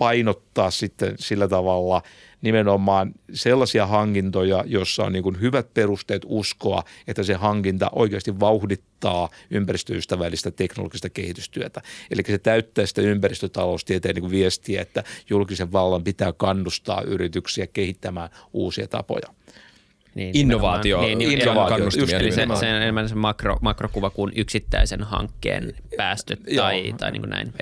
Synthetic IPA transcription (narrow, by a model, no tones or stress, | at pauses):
pɑinot̪ːɑːssit̪ːḛnsilːæt̪ɑʋɑlːɑ | nimenomːˑɑːnselːɑsiɑhɑŋkint̪ojɑjosːɑo̰nniːŋkunhyʋæt̪̚perust̪eːt̪uskoɑ̰et̪ːæsehɑŋkint̪ɑ̰ʔo̰ikeɑst̪iʋʋɑuhdit̪ːɑːympærist̪ø̰yst̪æʋælːist̪æt̪ekno̰lo̰ɡ̥ist̪ɑkehit̪yst̪yøt̪æelikːæset̪æyt̪ːæːsi̥t̪æympærist̪øt̪ɑloust̪iet̪eːniːŋkuʋʋiest̪iæ̰et̪ːæjulkiseʋʋɑlːɑmpit̪æːkɑnːust̪ɑ̰ːʔyrit̪yksiækehit̪ːæmæːnuːsiɑt̪ɑ̰po̰jɑ | niːinːoʋɑːt̪ioniːninːoʋɑːɑusjusiseseemænsemɑkro̰mɑkrokuʋɑkunʔyksit̪ːæ̰isenhɑ̰ŋkːḛːnpæːst̪øt̪jɑit̪ɑ̰inḭːŋkunæ̰in